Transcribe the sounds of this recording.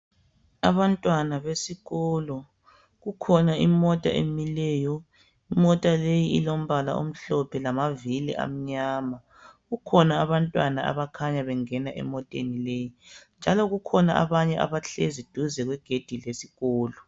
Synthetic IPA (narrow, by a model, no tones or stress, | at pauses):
aβantʼwanaβesiɣɔlɔ | ɣukʰɔnaimɔtʼa̰ʔḛmilɛːjɔ | imɔtʼalejiilom̩βala̰ʔo̰m̩ɬɔpʰɛlamavilḭʔa̰m̩ɲaːma | ɣukʰɔnaːβantʼwanaa̰βakʰaɲaβɛŋɛnaʔɛ̰mɔtʼḛnilejind͡ʒʱalɔɣukʰɔna̰a̰βaɲɛʔa̰βaɬezid̥ʱuzɛɣwɛɡ̥ʱed̥ʱilesiɣɔːlɔ